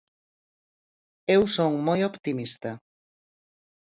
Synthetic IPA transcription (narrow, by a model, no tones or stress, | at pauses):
ewsoŋmojopt̪imist̪a